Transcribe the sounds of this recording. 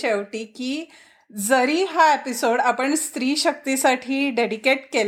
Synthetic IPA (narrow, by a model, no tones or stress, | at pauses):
eʋʈiːkiː | d͡zəɾiːɦaepisoɽapəɳst̪ɾiːɕək̚t̪isaʈʰiːɖeɽikeʈkel